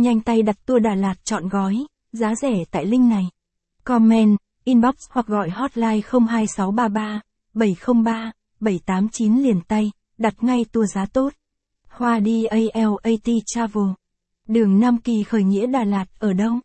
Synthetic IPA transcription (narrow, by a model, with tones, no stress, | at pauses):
ɲa˧jŋ̟t̪a˧jɗa˨˩t̚t̪u˧əɗaː˨˩laː˨˩t̚t͡ɕɔ̰˧˨nɣɔ˨˦j | zaː˨˦zɛ˧˩t̪a̰ː˧˨jlï˧ŋ̟na˨˩j | kɔ˧mːɛ˧n | ʔi˧nɓɔ˦˥k̚shwa˨˩k̚ɣɔ̰˧˨jhɔ˦˥t̚laː˧jxə˧wŋ͡mɦaː˧jsa˨˦wɓaː˧ɓaː˧ | ɓə˧˩jxə˧wŋ͡mɓaː˧ | ɓə˧˩jt̪aː˨˦mt͡ɕi˨˦nli˨˩ənt̪a˧j | ɗa˨˩t̚ŋa˧jt̪u˧əzaː˨˦t̪o˦˥t̚ | hwaː˧ɗi˧ʔə˧jʔɛ˧wʔə˧jt̪i˧t͡ɕaː˧vo˧˩ | ɗɨ˨˩əŋna˧mki˨˩xəː˨˩jŋḭ˧˥əɗaː˨˩laː˨˩t̚ʔəː˧˩ɗə˧w